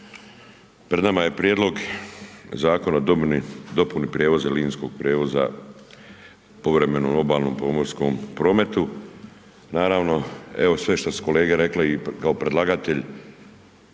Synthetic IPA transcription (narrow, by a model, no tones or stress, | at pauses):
pɾed̪namaje̞pɾjeːd̪lo̞ɡ | zaːko̞nadnid̪o̞punipɾjeʋo̞zeliːnsko̞ɡ̚pɾʲjeːʋo̞za̰ | po̞ʋɾe̞me̞nomlo̞baːlˠno̞ːmpo̞mo̞ɾskompɾo̞ːme̞t̪u | naːɾaːʋno̞e̞ʋo̞sʋe̞ʃt̪asu̥ko̞le̞ːɡeɾe̞kleikaopɾe̞d̪lˠaɡat̪e̞ʎ